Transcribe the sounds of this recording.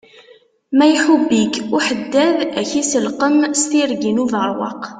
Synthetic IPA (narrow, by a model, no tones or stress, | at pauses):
mæjħubːikuħəd̪ːæðæçisəlqəmst̪iɾɡinuvəɾˤwɑ̰q